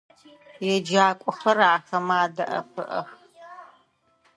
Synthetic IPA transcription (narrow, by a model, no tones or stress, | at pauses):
jɛd͡ʒaːkʷʼɔxɐraːxɐmaːdɐʔɐ̰pʰɨʔɐ̰x